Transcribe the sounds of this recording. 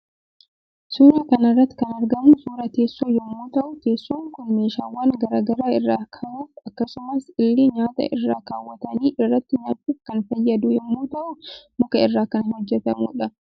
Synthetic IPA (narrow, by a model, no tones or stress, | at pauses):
suːɾɐkɐnɐrːɐt̪ːɪ̥kɐnɐɾɡɐmuːsuːɾɐt̪e̞ːsːoːjɛmːoːt̪ɐʔʊt̪e̞ːsːoːŋkʊnmeːʃaːwaːnɡɐɾaːɡɐɾaːɪrːaːkʰɐɾuːfɐkːɐsʊmɐsɪlːiːɲaːt̪ɐ̰ʔɪrːaːkaːwːɐt̪ɐniːʔɪrːɐt̪ːɪɲaːt̪ːuːfkɐnfɐjːɐd̪ʊjɛmːuːt̪ɐʔʊmʊkɐɪrːaːkɐnhɔd͡ʒːɛt̪ɐmṵːᶑɐ